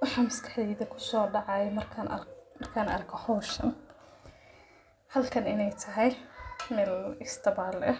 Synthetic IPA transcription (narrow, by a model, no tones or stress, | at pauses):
wɑħɑːmɐskʰɑ̥ħd̪ɛːðɐkʰʊ̥sɔːɖɑʕɑjɛmɐrkʰɐmɐrkʰaːnʔɐ̰rkʰɔhɔːʃɐn | hɐlkʰɐnɪnɛjt̪ʰɐɦɛjmɛːlɪst̪ʰɐbaːlɛ